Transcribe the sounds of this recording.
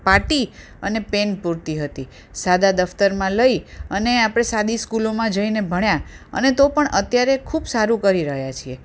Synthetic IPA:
paʈi | ənepenpuɾt̪iɦət̪i | sad̪ad̪əft̪əɾmãləiəneapɽ̃esad̪iskulomãd͡ʒəinebʱəɳja | ə̰net̪opəɳʔət̪jaɾekʰubsaɾũkəɾiɾəɦjat͡ʃʰie

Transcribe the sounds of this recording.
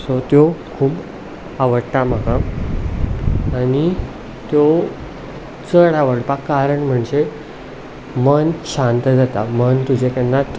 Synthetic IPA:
sot̪jokʰuːb | aʋəɽt̪am̤əɡa | ñi | t̪jo | t͡səɽaʋəɽpakːaɾəɳm̤əɳd͡ʑe | mənɕãnt̪əd͡zat̪amənt̪ud͡ʑekɛnːat̪

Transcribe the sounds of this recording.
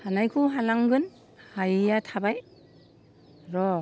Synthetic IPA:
hanajkʰɯwɦalaŋɡɯn | hajjatʰabaj | ɾɔ

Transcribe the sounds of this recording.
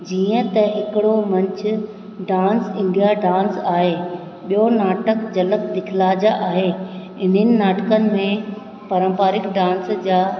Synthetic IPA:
d͡ʑiːə̃t̪ɐɦɪkɪɽomɐ̃ɲt͡ɕʰʊ̆ | ɖaːnsɪ̃ɳɖijaɖãːnsaːɦeː | ɓijonaːʈəkd͡ʑɐləkd̪ɪkʰɪlaːd͡ʑaʔaːɦe | ɪn̤ənɪ̆naːʈəkənɪ̆mẽ | pɐɾə̃mpaːɾɪkɖãːnsd͡ʑaː

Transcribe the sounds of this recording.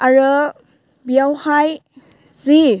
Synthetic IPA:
aɾə | bijawhaj | zi

